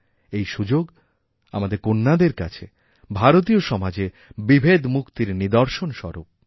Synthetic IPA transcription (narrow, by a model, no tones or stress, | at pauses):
ejʃud͡ʑoɡ | a̰mad̪eɾkonːad̪eɾka̰t͡ɕʰe | bʱaɾot̪̬ioʃɔmad͡ʑe | bibʱed̪mukt̪iɾnid̪ɔɾʃonʃɔ̰ɾop̚